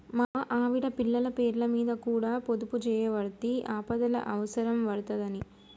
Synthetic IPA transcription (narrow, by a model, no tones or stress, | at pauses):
maːʔaːʋiɽɐpiɭːɐlɐpeːɾlɐmiːd̪ɐkuːɽaːpod̪uput͡ʃɛːjɐʋɐɽut̪iʔaːpɐðɐlɐ̰ʔɐʋɐsɐɾɐmʋɐɽut̪ɐðɐni